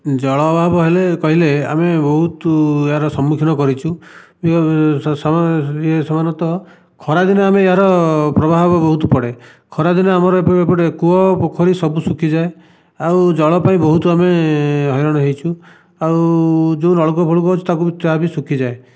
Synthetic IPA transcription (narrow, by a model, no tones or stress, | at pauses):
d͡ʒɔɭɔːbʱabɔɦelekɔɦilea̰mebɔɦut̪eɦaɾɔsɔmːukʰinɔkɔɾit͡ʃʰu | bis | sɔmanɔt̪ɔ | kʰɔɾad̪inɔameːɦaɾɔpɾɔbʱaɦbabɔɦut̪pɔɽe | kʰɔɾad̪inɔamɔɾɔepɔbepɔʈekuɔpɔkʰɔɾisɔbusukʰid͡ʒae | awd͡ʒɔɭɔpaĩbɔɦut̪uameɦɔjɔɽ̃ɔɦejt͡ʃʰu | awd͡ʒeunɔɭɔk̬ɔbʱoɭuk̬ɔɦut͡ʃʰu̥t̪ak̬ubit̪ɦabisukʰid͡ʒae